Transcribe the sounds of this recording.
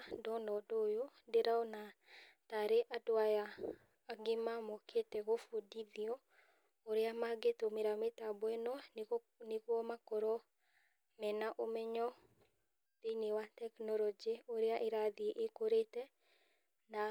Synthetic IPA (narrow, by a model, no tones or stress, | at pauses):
dɔnɔdojodeɾaɔnataɾeʔadwajaː | ɡɪmamɔkʰeteɣofodiðiɔ | oɾeamaɡetomeɾametabwɛnɔ | neɣɔmakoɾɔ | mɛnaʔomɛɲɔ | tenewatɛknɔlɔd͡ʒeoɾeaʔeɾaðiʔekoɾetɛ | na